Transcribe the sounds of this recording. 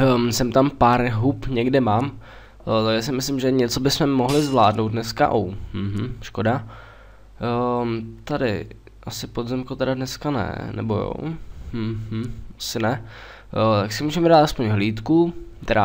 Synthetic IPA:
sɛmt̪ampaɾɦupɲɛɡdɪmaːm | t̪aɡʒɛs̬ɪmɪslɪmʒɛɲɛt͡sobɪsmɛmoɦlɪzvlaːdnowt̪dnɛska̰ʔowm̩ɦm̩ʃkoda | t̪adɪ̰ | ʔasɪpod̪zɛmkot̪ɛɾadnɛskanɛ̰nɛ̰bojo̰ | asɪnɛ | t̪aksɪmuːʒɛmɛdaːt̪aspoɲɦliːt̪kut̪ɛɾa

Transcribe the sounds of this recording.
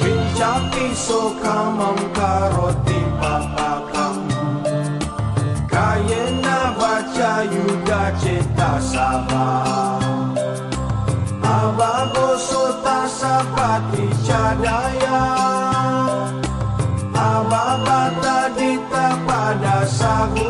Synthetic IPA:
iɲt͡ʃapisokamãŋkaɾɔt̪epakakaŋbu | kajenabat͡ʃajuɡat͡ʃet̪asaba | ababosot̪asakat̪it͡ʃadaja | ababat̪adit̪ak͡padasaɦu

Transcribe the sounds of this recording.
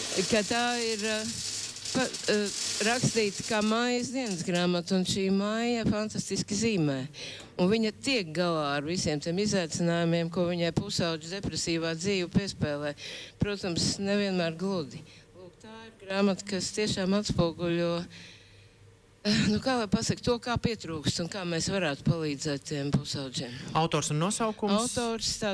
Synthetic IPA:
kat̪aːiɾ | pa | ɾakst̪iːt̪kaːmaːjazd̪iɛnsɡɾaːmat̪unʃiːmajjafant̪ast̪iskiziːmɛː | unviɲɐt̪iɛk̚ɡalˠaːɐɾvisiɛmt̪iɛmizajt̪sɪnaːjumiɛmkuɔviɲajpusaʊd͡ʒd̪ɛpɾɛsiːʋaːd̪ziːʋpiɛspɛːlˠɛːpɾuɔt̪amsnɛviɛnmæːɾɡlˠud̪ilˠuːkt̪aːiɾɡɾaːmat̪kɐst̪iɛʃaːmat̪spuɔɡulʲuɔ | nukaːlˠajpasɐkt̪ːuɔkaːpiɛt̪ɾuːkst̪unkaːmɛːsʋaɾaːt̪u̥palˠiːd̪zɛːt̪t̪ːiɛmpusaʊzʲiːmawt̪ɔːɾsunːuɔsawkumaswt̪ɔːɾst̪aː

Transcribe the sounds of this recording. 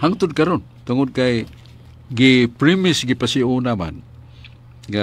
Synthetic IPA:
haŋt̪ud̚kaɾun | t̪uŋud̚kaj | ɡipɾimisɡipasiunama̰n | ɡa

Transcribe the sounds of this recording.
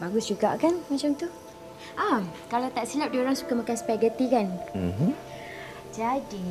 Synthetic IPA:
baɡʊsd͡ʒuɡa̰ʔkanmat͡ʃamt̪u | ʔakalawt̪aʔsilap̚dioɾaŋsukamakanspɛɡət̪ikan̩ | d͡ʒadi

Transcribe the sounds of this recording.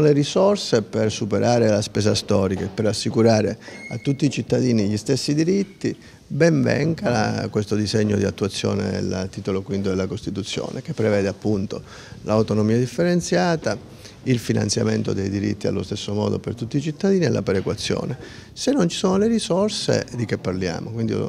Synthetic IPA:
olerisorsepersupeɾʔaːɾelaspeːsast̪ɔːɾikaepːeɾasːikuɾaːɾḛat̪ːut̪ːiːt͡ʃit̪ːad̪iːniʎist̪esːid̪iɾit̪ːi | bɛɱvɛ̰ŋkakwest̪od̪izeɲːod̪ia̰t̪ːuat̪sːjɔ̰ːnḛḛlt̪ːiːt̪olokwint̪od̪elːakost̪it̪ut̪sːjo̰ːnek̟epːɾevɛːd̪eapːunt̪o | lawt̪onomiːad̪ifːeɾent̪sjaːt̪a | ilfina̰nt̪sja̰ment̪od̪ejd̪iɾḭt̪ːia̰lːo̰st̪esːomɔ̰ːd̪o̰pert̪ut̪ːit͡ʃit̪ːad̪iːniɛlʔa̰pɛɾekwat̪sːjɔ̰ːne | senːont͡ʃi̥soːnolerisɔrsḛd̪ikepːarlja̰ːmokwind̪i

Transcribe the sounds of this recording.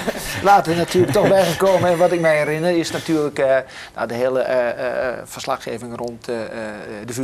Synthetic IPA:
laːtənatyːələk̚tɔxbɛjɣəkoːməɛnʋɔtɪk̚mɛjɛrɪnərɪsnatyːlək | ja̰dəheːlˠə | fərslaxxeːvɪŋront | dəf

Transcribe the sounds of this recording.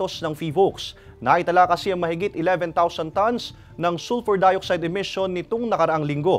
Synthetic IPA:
o̞snɐŋfiːboks | nɐʔɪt̪ɐlaːkɐsɪɐŋmɐhɪɡit̪ɪlɛvɛnt̪awsɐnt̪ɐns | nɐŋsulfɛɹd̪ajok̚sajd̪ɛmɪʃo̞nːɪt̪oŋnɐkɐɾɐʔaŋlɪŋɡo̞

